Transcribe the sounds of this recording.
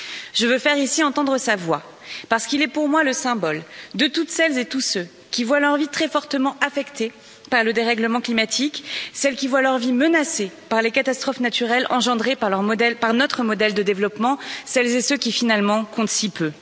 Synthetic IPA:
ʒ̥əvøfɛʁisiɑ̃t̪ɑ̃d̪ʁəsavwa | paʁsə̥kilɛpuʁmwaləsɛ̃bɔld̪ət̪ut̪sɛlzet̪usø | kʲivwalœʁvit̪χɛfɔʁt̪əmɑ̃ʔafɛkt̪e | paʁləd̪eʁɛɡləmɑ̃klimat̪ʰiksɛlkʲivwalœʁvimənasepaʁlekat̪ast̪χɔfnat̪yʁɛlɑ̃ʒɑ̃d̪ʁepaʁlʁmɔd̪ɛlpaʁnɔt̪χəmɔd̪ɛld̪əd̪evlɔpmɑ̃sɛlzesøkʲifinalmɑ̃kɔ̃t̪sipø

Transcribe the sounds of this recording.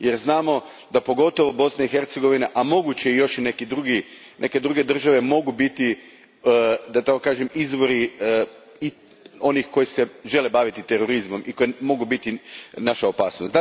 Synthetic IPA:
je̞ɾznaːmo̞ | d̪apo̞ɡo̞t̪o̞ʋobo̞snaixe̞ɾt̪seɡo̞ʋinaʔamo̞ɡut͡ɕeijo̞ʃinekid̪ɾuɡi | nʔe̞ke̞d̪ɾuɡe̞d̪r̩ʒaʋe̞mo̞ɡubit̪i | d̪at̪akokaːʒemizʋo̞ɾi | i | o̞nixko̞jiseʒe̞lebaʋit̪it̪eɾo̞ɾizmo̞mʔiko̞jemo̞ɡubit̪inaʃaopaːsnosd̪

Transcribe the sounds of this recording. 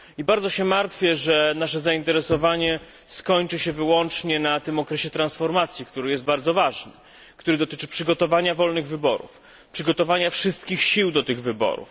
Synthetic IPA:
ibaɾd̪zɔɕɛmaɾt̪fʲjɛʐɛnaʂɛzaint̪ɛɾɛsɔvaɲɛ | skɔɲt͡ʂɘɕɛvɘwɔnt͡ʂɲɛnat̪ɘmɔkɾɛɕɛt̪ɾansfɔɾmat̪sʲjikt̪uɾɘjɛst̪baɾd̪zɔvaʐnɘ | kt̪uɾɘd̪ɔt̪ɘt͡ʂɘ̥pʂɘɡɔt̪ɔvaɲavɔlnɘɣvɘbɔ̰ɾṵf | pʂɘɡɔt̪ɔvaɲafʂɘst̪̚kʲixɕiwd̪ɔt̪ɘɣvɘbɔ̰ɾṵf

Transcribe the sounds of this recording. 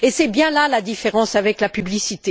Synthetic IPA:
esɛbjɛ̃lalad̪ifeʁɑ̃savɛklapyblisit̪e

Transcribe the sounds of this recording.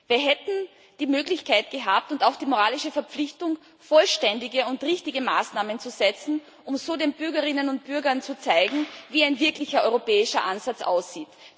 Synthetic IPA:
viːɐɦɛtn̩ | d̥iːmøːɡlɪçkʰaɪtɡ̥əɦaːp̚tʊntaʊxd̥iːmoʁaːlɪʃəfɛɐpp͡flɪçtʊŋ | fɔlʃtɛndɪɡəʊntʁɪçtɪɡəmaːsnaːmənt͡suzɛt͡sn̩ | ʊmzoːdeːnbʏɐɡɐʁɪnənʊnt̚b̥ʏɐɡɐnt͡sut͡saɪɡŋ̩viːaɪnvɪɐklɪçɐʔɔʏʁopɛːɪʃɐʔanzat͡sʔa̰ʊsiːt

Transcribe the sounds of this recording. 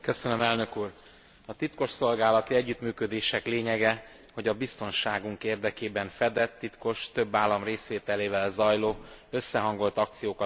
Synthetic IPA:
køsønømɛlnø̞kuːr | ɒt̪it̪ko̞ʃso̞lɡaːlɒt̪iɛɟːyt̪myːkø̞d̪eːʃɛkleːɲɛɡɛ | ho̞ɟɒbist̪o̞nʃaːɡuŋkeːrd̪ɛkeːbɛɱfɛd̪ɛt̪ːit̪ko̞ʃt̪ø̞bːaːlːɒmreːsʋeːt̪ɛleːvɛlzɒjloːø̞sːɛɦɒŋɡo̞lt̪ɒk̚t̪sijoːkɒ

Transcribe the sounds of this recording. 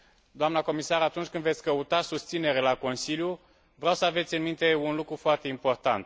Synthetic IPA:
d̪oamnəko̞misaɾat̪unt͡ʃʲkɨnd̪ve̞t̪sʲkəut̪asust̪sine̞ɾelako̞nsilju | vɾeawsəave̞t̪sʲɨnmint̪e̞unlukɾufoart̪e̞impo̞rt̪a̰nt̪

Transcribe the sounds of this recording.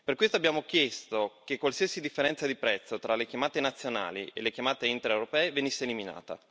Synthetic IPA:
perkwest̪oabːjaːmok̟jɛst̪ok̟ekːwalsiasid̪ifːeɾɛnt̪sad̪ipɾɛt̪sːot̪ɾalekjamaːt̪enat̪sːjona̰ːlḭḛlːekjamaːt̪eint̪eɾewɾopɛːevenisːeːlimina̰ːt̪a̰

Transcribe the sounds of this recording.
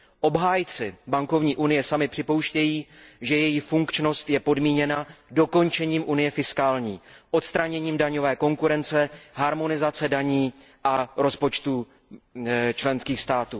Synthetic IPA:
ʔo̞bɦaːjt͡sɪbaŋko̞vɲiːʔunɪjɛsamɪpr̥ɪpo̞wʃcɛjiːʒɛjɛjifuŋkt͡ʃno̞st̪jɛpo̞dmiːɲɛnado̞ko̞nt͡ʃɛɲiːmʔunɪjɛfɪskaːlɲiːʔo̞t̪st̪ɾaɲɛɲiːmdaɲo̞vɛːko̞ŋkuɾɛnt͡sɛɦaɾmo̞nɪzat͡sɛdaɲiːʔaɾo̞spo̞t͡ʃt̪u | t͡ʃlɛnskiːxst̪aːt̪uː

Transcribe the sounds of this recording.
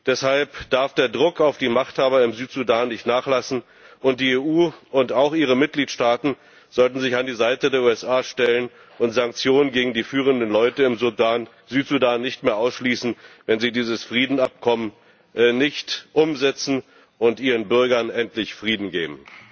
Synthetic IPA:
d̥ɛshalpd̥aɐfd̥eːɐdʁʊkaʊfd̥iːmaχthaːbɐɪmzyːtz̥udaːnːɪçtnaːχlasn̩ | ʔʊnt̚d̥iːeːʔuːʊntaʊxʔiːʁ̞əmɪt̚ɡ̥liːtʃtaːtn̩ | z̥ɔltn̩zɪçandiːzaɪtədeːɐuːɛsʔaːʃtɛlən | ʔʊntz̥aŋk̚t͡sjoːnənɡeːɡŋ̩diːfyːʁ̞əndənlɔʏtəɪmzun | zyːtz̥udaːnːɪçtmeːɐʔaʊsʃliːsn̩vɛnziːdiːzəsfʁ̥iːdn̩ap̚kʰɔmən | nːɪçtʔʊmzɛt͡sn̩ | ʔʊntʔiːʁənbʏɐɡɐnʔɛntlɪçfʁ̥iːdn̩ɡḛːbm̩

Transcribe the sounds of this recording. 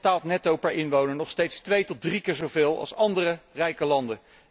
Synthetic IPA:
taːlˠtnɛtowpɛɹʔɪnʋownəɹnɔχstejtstʋejtɔt̚drikɪːɹzovɪːlˠɑ̰lˠsɑndərərɛjkəlɑndə

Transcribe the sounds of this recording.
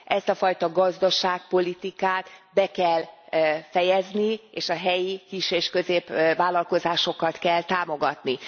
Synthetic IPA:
ʔɛst̪ɒfɒjt̪ɒɡɒzd̪ɒʃaːk̚po̞lit̪ikaːt̪bɛkɛlfɛjɛznieːʃɒɦɛjikiʃeːʃkø̞zeːpʋaːlɒlko̞zaːʃo̞kɒt̪kɛlt̪aːmo̞ɡɒt̪ni

